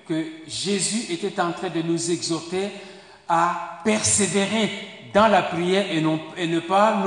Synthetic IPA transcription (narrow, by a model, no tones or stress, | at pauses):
kəʒezyʔet̪ɛt̪ɑ̃t̪χɛ̃d̪ənuzɛɡzɔʁt̪e | apɛʁseveʁe | d̪ɑ̃lapχijɛʁẽenəpan